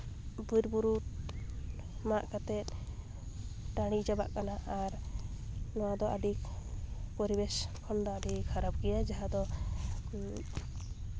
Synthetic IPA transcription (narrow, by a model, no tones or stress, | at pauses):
bujɾbuɾu | maʔkat̪ɛt̪̚ˀ | ʈaɽ̃id͡ʒaba̰ʔkanaʔaɾ | nɔwad̪ɔʔaɖik | pɔɾibɛskʰɔmd̪ɔaɖikhaɾab̚ɡɛjad͡ʒaɦad̪ɔ